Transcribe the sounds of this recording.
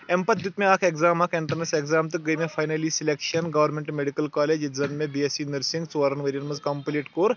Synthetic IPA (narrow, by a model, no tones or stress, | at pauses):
empɐt̪jut̪meakʰeɡzaːmakʰeɳʈɐɾnɐseɡzamt̪ɨɡəjmefʰajnɐlisilekʃɐnɡɐʋɐɾmẽɳʈmeɽikɐlkɔːled͡ʑit̪d͡zɐnmebiesinəɾsĩŋɡsʋaɾɐnʋɐɾiɐɳmɐd͡zkɐmpliʈkoɾ